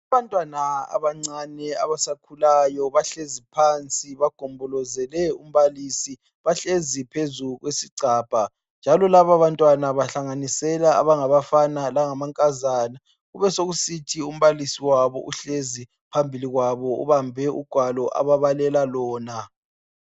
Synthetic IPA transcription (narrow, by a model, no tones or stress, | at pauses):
aβantʼwanaa̰βaŋ͡ǀanɛa̰βasakʰulajɔβaɬezipʰant͡sʼiβaɡ̥ʱɔmbʱɔlɔzɛlɛum̩βalisi | βaɬezipʰezuɣwesiǀaːb̥ʱa | nd͡ʒʱalɔlaβaβantʼwanaβaɬaŋanisɛlaa̰βaŋaβafanalaŋamaŋkʼazaːna | ɣuβɛsoɣusitʰium̩βalisiwaβɔ̰ʔuɬezi | pʰambʱiliɣwaβɔṵβambʱɛṵɡ̥ʱwalɔʔa̰βaβalɛlalɔːna